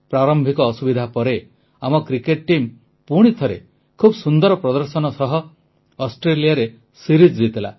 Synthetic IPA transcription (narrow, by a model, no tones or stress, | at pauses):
pɾaɾɔmbʱikɔːsubid̪ʱapɔɾe | amɔkɾikeʈ̚ʈim | puɽ̃it̪ʰɔɾḛ | kʰubsund̪ɔɾɔpɾɔd̪ɔɾsɔnɔsɔɦɔ | ɔsʈɾelijaɾe | siɾid͡ʒd͡ʒit̪ila̰